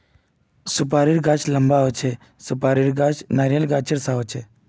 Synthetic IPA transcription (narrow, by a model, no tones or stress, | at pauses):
sʊp̬aːɾiɾɡat͡ʃlɐmbaot͡ʃʰe | sʊpaːɾiɾɡat͡ʃnaːɾjəlɡaːt͡ʃʰiɾsaɦot͡ʃʰe